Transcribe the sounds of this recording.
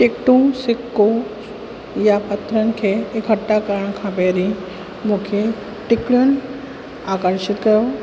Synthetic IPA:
ʈikʈũsɪkːo | japət̪ɾənkʰeːkəʈːakəɾəɳ̃kʰãpeɾi | mũkʰe | ʈikɭun | akəɾʃɪt̪kəjo

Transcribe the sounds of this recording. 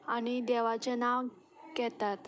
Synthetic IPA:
añid̪ɛʋat͡ɕenaʋ | kɛt̪at̪

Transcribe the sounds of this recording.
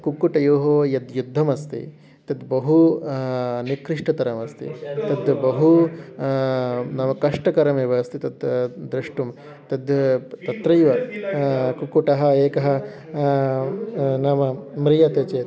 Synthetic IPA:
kukuʈɐjoːɦoːjɐd̪jud̪ʱːɐmɐst̪ḭ | t̪ɐd̪bɐɦu | nikɾiʂʈɐt̪ɐɾɐmɐst̪ḭt̪ɐd̪ɐbɐɦu | nɐmɐkɐʂʈɐkɐɾɐmeːʋɐɐst̪it̪ɐd̪d̪ɾɐʂʈum | t̪ɐd̪jɐt̪ɐt̪ɾɐjʋɐ | kukuʈɐɦɐeːkɐɦɐ̆ | nɐmɐmɾijɐt̪eːt͡ʃeːt̪

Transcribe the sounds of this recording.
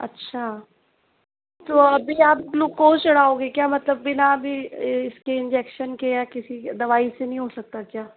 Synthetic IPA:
ɐ̰tːʃʰaː | t̪oːɐbʱiaːploːɡkoːt͡ʃɐɽ̤aːoːɡekjaːmɐt̪ləbːɪnabʱiɪskeɪ̃nd͡ʒɛːkʃənkejakɪsid̪ɐʋaːisenɐɦĩɦoːsɐk̚t̪akjaː

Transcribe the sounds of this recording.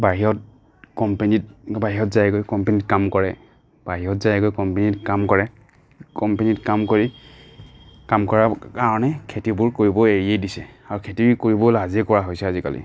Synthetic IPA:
baɦiɔt̚ | kɔmpenitbaɦiɦɔtzajkojkɔmpenitkamkɔɹɛ | b̥aɦiɔtzajkojkɔmpenitkamkɔɹɛ | kɔmpenitkamkoɹi | kamkɔɹakaɹɔnɛkʰetibʊɹkoɹibɔeɹiedisɛaɹukʰetikoɹibɔlazikɔɹaɦojsɛazika̰lḭ

